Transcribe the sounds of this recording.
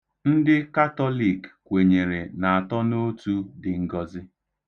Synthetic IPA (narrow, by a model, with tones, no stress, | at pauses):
n̩˦dɪ˦ka˦tɔ˦li˦˨kkʷe˨ɲe˨ɾe˨na˨a˨tɔ˦no˦tu˦dɪ˨ŋ̩˦ɡɔ˦zɪ˦